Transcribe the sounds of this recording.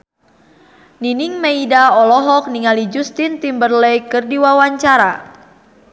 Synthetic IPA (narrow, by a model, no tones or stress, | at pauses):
niniŋmeidaɔlɔɦɔk̚niŋalid͡ʒust̪int̪imbərlɛjkərdiwawaɲt͡ʃaɾa